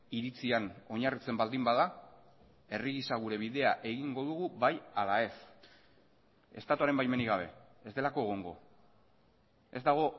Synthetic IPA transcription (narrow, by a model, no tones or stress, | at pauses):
iɾit͡siano̞ɲarit͡se̞mbald̪imbaða | e̞riɣisaɣ̞uɾe̞β̞iðe̞aʔe̞ɣ̞iŋɡo̞ðuɣuβajalae̞s | e̞st̪at̪uaɾe̞mbajme̞niɣaβ̞e̞ezd̪e̞lako̞eɣ̞o̞ŋɡo̞̰ | e̞zd̪aɣ̞o̞